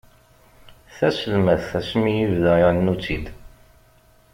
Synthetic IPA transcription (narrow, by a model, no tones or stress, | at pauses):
θæsəlmæθθæsmijivðæɪnːut͡sːid̪